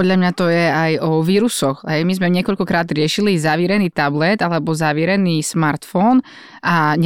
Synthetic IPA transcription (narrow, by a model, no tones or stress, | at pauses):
pɔd̪ʎamɲat̪ɔjɛajɔʋiːɾusɔxɦɛjmizmɛɲɪɛkɔʎkɔkɾaːd̪ɾɪɛʃilizaʋiːɾɛniːt̪ablɛd̪alɛbɔzaʋiːɾɛniːsmaɾt̪fɔn | ʔaɲ